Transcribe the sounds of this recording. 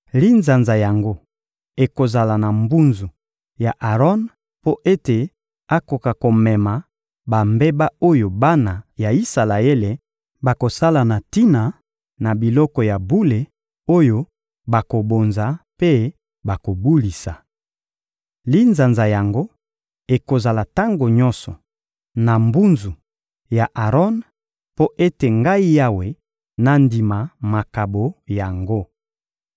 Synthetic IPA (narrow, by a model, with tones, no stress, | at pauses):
li˦nza˨nza˨ja˨ŋɡo˦ | e˨ko˨za˨la˨na˨mbu˦nzu˨ | ja˨ʔa˨ʁɔ˦n | po˦ʔe˦te˨ | a˦ko˨ka˨ko˨mɛ˨ma˨ | ba˨mbe˦ba˦o˦jo˨ba˦na˨ja˨i˦sa˨la˨e˦le˨ | ba˨ko˨sa˦la˨na˨ti˦na˨ | na˨bi˨lɔ˦kɔ˨ja˨bu˦le˨ | o˦jo˦ | ba˨ko˨bo˨nza˨pe˦ | ba˨ko˨bu˦li˨sa˨ | li˦nza˨nza˨ja˨ŋɡo˦ | e˨ko˨za˨la˨ta˦ŋɡo˨ɲɔ˦sɔ̰˨ | na˨mbu˦nzu˨ | ja˨ʔa˨ʁɔ˦n | po˦ʔe˦te˨ŋɡa˦i˦ja˦we˨ | na˨ndi˨ma˨ma˨ka˨bo˨ja˨ŋɡo˦